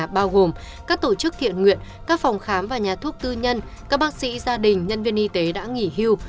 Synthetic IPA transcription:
ɓaː˧wɣo˨˩m | kaː˦˥k̚t̪o˧˩t͡ɕɨ˦˥k̚hḭ˧˨ənŋwḭ˧˨ən | kaː˦˥k̚fɔ˨˩wŋ͡mxaː˨˦mvaː˨˩ɲaː˨˩t̪ʰu˦˥ək̚t̪ɨ˧ɲə˧n | kaː˦˥k̚ɓaː˦˥k̚sḭ˧˥zaː˧ɗï˨˩ŋ̟ɲə˧nvi˧ənʔi˧t̪e˨˦ɗa̰ː˧˥ŋi˧˩hi˧əw

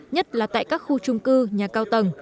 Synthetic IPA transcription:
ɲə˦˥t̚laː˨˩t̪a̰ː˧˨jkaː˦˥k̚xu˧t͡ɕʊ˧ŋ͡mkɨ˧ɲaː˨˩kaː˧wt̪ə˨˩ŋ

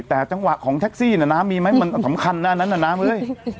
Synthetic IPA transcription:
t̪ɛː˨˩t͡ɕa˧ŋwa˨˩ʔkʰɔː˩˦ŋt̪ʰɛ˦˥k̚siː˥˩nɛ˧˩naː˦˥mːiː˧ma˦˥jma˧nsa˩˦mkʰa˧nːa˦˥ʔnːa˦˥nːa˧˩naː˦˥mʔɤː˧˥˩j

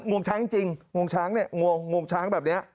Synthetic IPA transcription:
ŋu˨˩ənsaː˨˦ŋt͡ɕï˨˩ŋŋu˨˩ənsaː˨˦ŋnɛ˨˧˦ŋu˨˧˩ənŋu˨˩ənsaː˨˦ŋɓɛː˨˩ɗni˨˦a˧˩

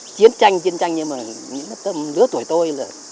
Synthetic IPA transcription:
t͡ɕi˨˦ənt͡ɕa˧jŋt͡ɕi˧˦ənt͡ɕa˧jŋɲɨ˧maː˨˩ | ɲɨ̰˧˥ŋa˨˦t̪ə˧mlɨ˨˦ət̪u˧˩əjt̪o˧jlaː˨˩

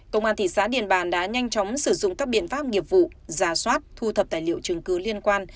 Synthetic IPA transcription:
kə̰˧wŋ͡mʔaː˧nt̪ʰi˧˨˩saː˨˦ɗḭ˧˨ənɓaː˨˩nɗa̰ː˧˥ɲa˧jŋ̟t͡ɕɔ˨˦wŋ͡msɨ˧˩zʊ̰˧˨ŋ͡mkaː˦˥k̚ɓḭ˧˨ənfaː˦˥p̚ŋi˨˩əp̚vṵ˧˨zaː˨˩˦swaː˦˥t̚t̪ʰu˧t̪ʰə˨˩p̚t̪aː˧˩jli˧˨əwt͡ɕɨ˨˦ŋkɨ˨˦li˧ənkwaː˧n

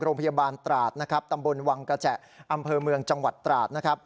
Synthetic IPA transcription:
ɾoː˧ŋpʰa˧jaː˧baː˧nt̪ɾaː˨˩t̪̚na˦˥kʰa˦˥p̚t̪a˧mbo˧nwa˧ŋkɾa˧t͡ɕɛ˨˩ʔ | ʔa˧mpʰɤː˧mɯ˧əŋt͡ɕa˧ŋwa˨˩t̪ːɾaː˨˩t̪̚na˦˥kʰa˦˥p̚

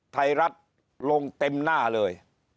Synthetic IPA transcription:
t̪ʰa˧jɾa˦˥t̪̚ | lo˧ŋt̪e˧mnaː˥˩lɤː˧j

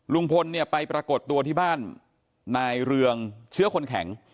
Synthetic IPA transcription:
lu˧ŋpʰo˧nːi˥˩ɐpa˧jpɾaː˧ko˨˩t̪ːu˧ɐt̪ʰiː˥˩baː˥˩nː | aː˧jɾɯ˧əŋt͡ɕʰɯ˦˥ɐkʰo˧nkʰɛ˩˦ŋ

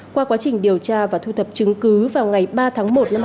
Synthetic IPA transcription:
kwaː˧kwaː˨˦t͡ɕï˨˩ŋ̟ɗi˨˩əwt͡ɕaː˧vaː˨˩t̪ʰu˧t̪ʰə˨˩p̚t͡ɕɨ˨˦ŋkɨ˨˦vaː˨˩wŋa˨˩jɓaː˧t̪ʰaː˨˦ŋmo˨˩t̚na˧

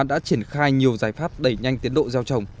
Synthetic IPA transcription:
ɗa̰ː˧˥t͡ɕi˧˩ənxaː˧jɲi˨˩əwzaː˧˩jfaː˦˥t̚ɗə˧˩jɲa˧jŋt̪i˨˦ənɗo̰˧˨zaː˧wt͡ɕə˨˩wŋ͡m

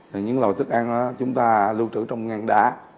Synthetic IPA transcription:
ɲɨ̰˧˥ŋlo˨˩jt̪ɨ˦˥k̚ʔa˧na˨˦t͡ɕʊ˨˦ŋ͡mt̪aː˧lu˧t͡ɕɨ̰˧˥t͡ɕɔ˧wŋ͡mŋa˨˩nɗa̰ː˧˦

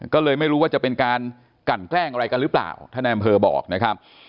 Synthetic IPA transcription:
kɔː˥˩lɤː˧jma˥˩jɾuː˦˥waː˥˩t͡ɕa˨˩pe˧nkaː˧n | ka˨˩nklɛː˥˩ŋʔa˧ɾa˧jka˧nɾɯː˦˥pla̰ː˨˩wt̪ʰaː˥˩na˧ʔa˧mpʰɤː˧bɔ̰ː˨˩k̚na˦˥kʰa˦˥p̚

